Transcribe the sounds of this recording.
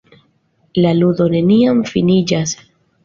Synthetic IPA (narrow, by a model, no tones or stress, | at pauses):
laludo̞ne̞niamfinid͡ʒas